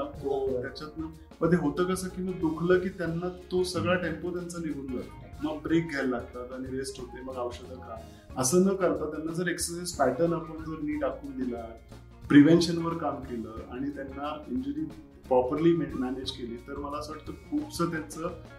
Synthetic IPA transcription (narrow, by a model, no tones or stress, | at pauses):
akot̪at͡ɕat̪nə | məd̪ʱeɦot̪əːkəsəkiːməɡ̚d̪ukʰləːkiːt̪janːat̪osəɡɭaʈempot̪jant͡saliɡʱuːnɡaɾəməɡ̚bɾek̚ɡʱellaɡ̚t̪at̪aɽ̃iɾesʈɦot̪eməɡawɕəd̪ʱəka | əsəːnəːkəɾt̪at̪janːad͡zəɾeksəsajspajʈənapəɳd͡zəɾniːʈakʰuːnd̪ila | pɾiʋenɕənʋəɾkamkeləːa̰ɽ̃it̪janːaiɲd͡ʑəɾiː | pɾɔpəɾliːmeʈmæned͡ʑkeliːt̪əɾməlaəsʋəʈt̪okʰuːpt͡səːt̪̬jant͡sə